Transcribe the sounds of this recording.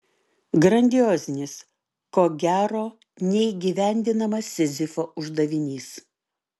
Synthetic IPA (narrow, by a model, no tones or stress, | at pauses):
ɡɾɐnʲd̪ʲɪjoːzʲnʲɪs | koːɡʲæːɾoː | nʲɛiːɡʲiːʋʲæˑnʲd̪ʲɪnɐmɐsʲɪzʲɪfoːʔʊʒd̪ɐʋʲɪnʲiːs